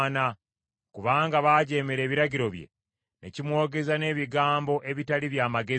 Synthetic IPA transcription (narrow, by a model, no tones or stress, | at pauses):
na | kuβaːŋɡaβaːɟe̞meɾe̞ːβiɾaɟiɾo̞βjḛ | ne̞̰cimwo̞ːɡe̞zane̞ːβiɡaːmbo̞ʔe̞βitaliβjaːmaɡe